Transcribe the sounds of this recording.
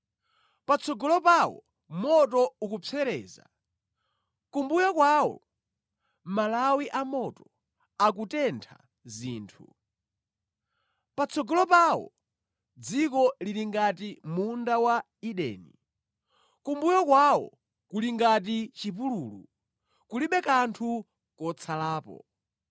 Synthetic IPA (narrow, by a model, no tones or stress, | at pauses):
pat͡sʰɔɡɔlɔpawɔ̰ | mɔtɔukupʰɛɾɛ̰ːza̰ | kumbujakwaːwɔ̰ | malawiʔamɔtɔ | akutɛntʰa̰ | ziːntʰu | pat͡sʰɔɡɔlɔpawɔ̰ | d͡zikɔliɾiŋɡatimundawa | iɗɛ̰ːni | kumbujɔkwawɔ̰ | kuliŋɡat̬it͡ʃipuluːlṵ | kuliɓɛkantʰu | kɔt͡sʰalaːpɔ̰